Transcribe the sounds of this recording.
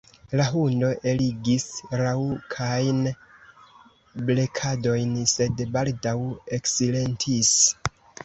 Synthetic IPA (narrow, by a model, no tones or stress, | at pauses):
laɦundo̞ʔe̞liɡisɾaukʰajn | blekʰado̞jnse̞dbaldawe̞ksile̞ntʰis